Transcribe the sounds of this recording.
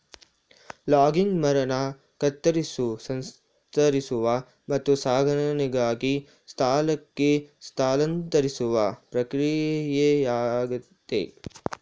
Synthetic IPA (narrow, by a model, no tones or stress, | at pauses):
laːɡiŋɡmɐɾɐna | kɐt̪ːɐɾisusɐns | t̪ɐɾisuʋa | mɐt̪ːusaːɡʱɐnɐniɡaːɡi | st̪ʰaːlɐkːest̪ʰaːlɐnt̪ɐɾisuʋapɾɐkɾijɐjejaːɡut̪ːḛː